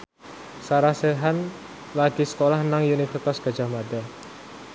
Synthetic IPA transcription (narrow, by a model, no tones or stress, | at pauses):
saɾahseɦan | laɡ̥isə̥kolahnaŋjunikfrt̪ɔsɡ̥a̤d͡ʒahmada